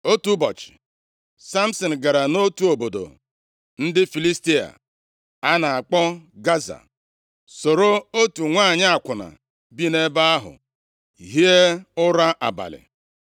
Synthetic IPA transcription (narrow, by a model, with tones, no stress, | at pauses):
o˦tu˦bɔ˨t͡ʃɪ̥˨ | sa˦m̩˦sɔ˨n̩˨ɡa˨ɾa˨no˦tu˦o˨bo˨do̰˨ | n̩˦dɪ˦fi˨li˦sti˦a̰˨ | a˦na˨a˨k͡pɔ˦ɡa˦za̰˨ | so˨ɾo˦o˦tu˨ŋʷa˦˨ɲɪ˦a˨kʷʊ˨na̰˨ | bi˦ne˦ba˦a˦ɦʊ̰˨ | i˨ɦi˦e˦ʊ˦ɾa˦ʔa˨ba̰˨lɪ̰˨